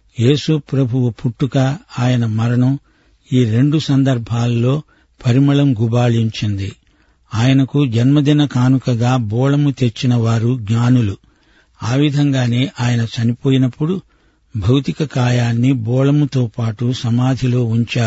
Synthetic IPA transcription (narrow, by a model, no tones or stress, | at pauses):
je̞ːsupɾɐbʱuʋupʰuʈːukɐaːjɐnɐmɐɾɐnu | iːɾe̞ɳɖusɐnd̪ɐɾbʱaːlːo̞ː | pʰɐɾimɐɭɐmɡubaːɭiɲt͡ʃind̪ḭ | aːjɐnɐkud͡ʒɐnmɐd̪inɐkaːnukɐɡaːbɔːɭɐmut̪et͡ʃːinɐʋaːɾuɡɲaːnulu | aːʋid̪ʱɐŋɡaːne̞ːʔaːjɐnɐt͡ʃɐnipo̞ːjinɐpːuɽu | bʱɐwt̪ikɐkaːjaːnːibɔːɭɐmut̪oːpaːʈusɐmaːd̪ʱilo̞ːuɲt͡ʃaːu